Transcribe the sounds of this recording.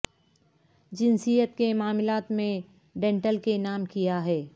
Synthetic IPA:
d͡ʒɪnsijət̪kemaːmɪlaːt̪mẽ | ɖẽːɳʈəlkenaːmkijaɦɛː

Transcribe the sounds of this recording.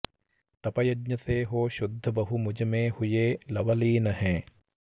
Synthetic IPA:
t̪ɐpɐjɐdɲɐseːɦoːʃʊd̪ʱːɐbɐɦumud͡ʒɐmẽːhujeːlɐʋɐliːnɐɦɛ̃ː

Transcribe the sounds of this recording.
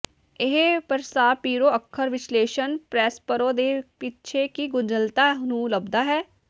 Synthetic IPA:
ɪɦepəɾsaːpiːɾoːəkʰːəɾʋɪt͡ʃleːʃənpɾɛːspəɾõːd̪eːpɪt͡ʃʰeːkiːɡʊd͡ʒəlt̪aːɦnũːləbd̪aːɦɛː

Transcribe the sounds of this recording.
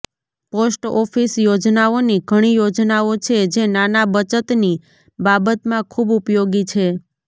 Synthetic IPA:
posʈɔfisjod͡ʒnaoniɡʱəɽ̃ijod͡ʒnaot͡ʃʰed͡ʒenanabət͡ʃət̪ni | babət̪mãkʰubupjoɡit͡ʃʰe

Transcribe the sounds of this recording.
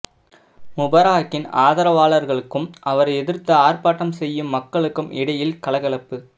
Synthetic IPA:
mʊbɐɾaːkːɪnaːðɐɾɐʋaːɭɐɾɣɐɭɯkːɯmʔɐʋɐɾɐɛðɪɾt̪ɐaːrpaːʈːɐmsɛjːɯmːɐkːɐɭɯkːɯmɪɽɐjɪlkɐlɐɣɐɭɐpːɯ

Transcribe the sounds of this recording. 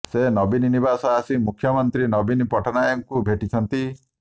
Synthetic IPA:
senɔbininibasɔasimukʰːjɔmɔnt̪ɾinɔbinpɔʈʰɔnajɔŋkubʱeʈit͡ʃʰɔnt̪i

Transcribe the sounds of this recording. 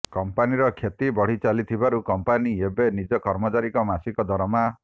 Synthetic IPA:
kɔmpaniɾɔkʰjet̪ibɔɽ̤it͡ʃalit̪ʰibaɾukɔmpaniebenid͡ʒɔkɔɾmɔt͡ʃaɾikɔmasikɔd̪ʱɔɾma

